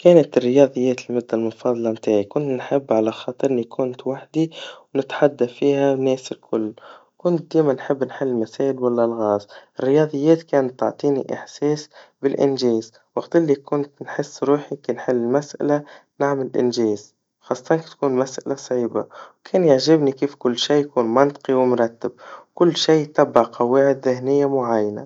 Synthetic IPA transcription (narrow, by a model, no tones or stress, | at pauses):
keːnat̪ɪrːɪjɑːðˤɨjːeːt̪lmʊd̪ːalmʊnfɑːðˤɑlɑmt̪aːʕikʊnt̪nħɪbːʕalaxɑːt̪ˤɨɾɪlːikʰʊnt̪waħd̪iwnɪt̪ħad̪ːafiːhanːeːsɪlkʰʊlːkʊnt̪̚d̪eːmanħɪbːnħɪlːɪlmaseːʔɪlwalːalɣɑːzɪrːɪjɑːðˤɨjːeːt̪keːnat̪ːɑʕt̪ˤiːnḭʔɪħseːsbɪlʔɪ̰nʒeːz | wɑɡt̪ɪlːikʊnt̪nħɪsːɾuːħikinħɪlːɪlmasʔa̰lanaʕmalʔɪ̰nʒeːz | xɑːsˤːt̪ɑnkt̪kuːnmasʔalasˤʕiːba̰wkʰeːnjaʕʒɪbnikiːfkʊlːʃiːjakuːnmɑnt̪ˤqiwɪmʊɾˤɑt̪ːɪb̚wkʊlːʃiːt̪ɑbːaʕqʰɑwaːʕɪd̪ðɪhnɪjːamʊʕajːana̰